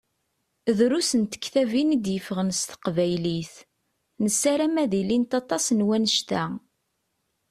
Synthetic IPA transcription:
ðɾusənt̪ə̥kːθævinid̪jəfəʁənst̪ə̥qvæjliθ | nəsːæɾæmæðilint̪ɑt̪ˤɑsnwænəʃt̪æ

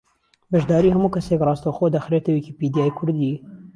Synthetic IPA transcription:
bɐʒd̪ɑːɾiːhɐmuːkʰɐsekrˤɑːst̪oxoːd̪ɐxɾeːt̪ɐwikipid̪ijaːjkʰʊɾd̪i

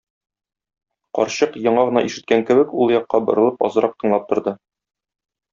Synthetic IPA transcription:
qɒ̰ɾɕɤqjɒɴɑʁɤ̆nɑʔiʃɘ̆t̪̚kæŋkɘ̆bɘkulˠjɒqːɑbɤ̆ɾɤ̆lˠɤpɒ̰zɤ̆ɾɑp̚t̪ʰɤ̆ɴlˠɑp̚t̪ŏɾd̪ɤ

